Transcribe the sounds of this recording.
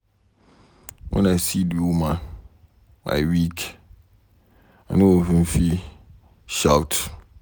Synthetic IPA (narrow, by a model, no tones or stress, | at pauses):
wʔɔ̰̃nãsidumã | ma̰wikʰ | anɪ̃wohĩm̩fi | ʃawt